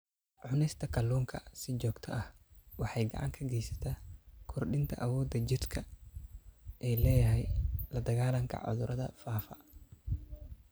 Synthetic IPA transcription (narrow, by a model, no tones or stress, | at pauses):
ʕʊnɛjst̪ʰɐkʰɐluːŋkʰɐsɪt͡ʃɔːɡt̪ʰɐʔɐhwɑħɑjɡɐ̰ʕɑ̰ŋkʰɐɡɛjsɐ̥t̪ʰaːkʰɔrɖɪnt̪ʰɐ̰ʔɐwɔːd̪ɐd͡ʒɪd̪kʰɐ | ʔɛːlɛːjɐɦɛjlɐd̪ɐɣaːlɐŋkʰɐ̰ʕʊ̰ðʊɾʔɐðɐ̰faːfɐ̰